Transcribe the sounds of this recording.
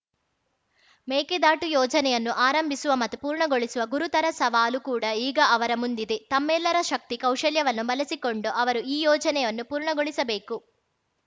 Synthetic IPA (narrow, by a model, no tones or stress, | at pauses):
meːked̪aːʈujɔːd͡ʒɐnɛjɐnːuʔaːɾɐmbʱisuʋɐmɐt̪ːupuːɾɳɐɡo̞ɭisuʋɐɡuɾut̪ɐɾɐsɐʋaːlukuːɽɐiːɡɐɐʋɐɾɐmund̪id̪et̪ɐmːɛlːɐɾɐʃɐk̚t̪ikɐwʃɐljɐʋɐnːubɐlɐsiko̞ɳɖuʔɐʋɐɾuiːjɔːd͡ʒɐnɛjɐnːupuːɾɳɐɡoɭisɐbeːku